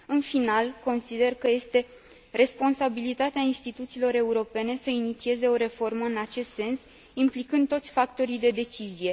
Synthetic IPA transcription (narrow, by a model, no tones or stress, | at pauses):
ɨnfinalko̞nsid̪e̞rkəje̞st̪e̞ | re̞spo̞nsabilit̪at̪eainst̪it̪ut̪siːlo̞ɾe̞uɾo̞pe̞ne̞səinit̪sie̞ze̞o̞ɾe̞fo̞rməɨnat͡ʃe̞st̪se̞ns | implikɨnd̪t̪o̞t̪sʲfak̚t̪o̞ɾijd̪e̞d̪e̞t͡ʃizije̞